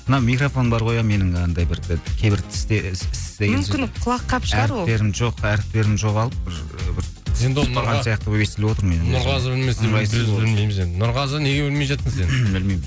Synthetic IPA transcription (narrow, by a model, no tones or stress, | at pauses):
mənɑwmijkrofo̞nbɑɾqo̞jɑme̞nɪŋɑnd̪ɑjbɪɾd̪ɪkʲʰejbɪɾt̪ʰɪ̥st̪esɪsd̪eɡmemʃʲɪqʰʊlˠɑqʰːɑpʃæʁɑɾɪp̪e̞ɾɪmʒo̞qæɾɪp̚t̪e̞ɾɪmʒo̞qɑlˠəp̚bɪɾbɪɾ | end̪oɾʁɑnsijɑq̚t̪əoje̞st̪elewo̞t̪əɾme̞nɪnʊɾʁɑzəbɪlmeseɑbɪlmejmzend̪ɪnʊɾʁɑzne̞ɡʲewɪlmeʒɑt̪ːənsenbɪlmejmɪ